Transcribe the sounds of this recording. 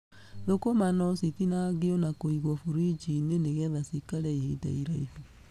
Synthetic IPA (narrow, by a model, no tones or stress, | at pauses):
ðokomanɔsiθinaɣeɔnakoiɣɔfuɾid͡ʒineneɣɛðasikaɾɛihida̰iɾaifu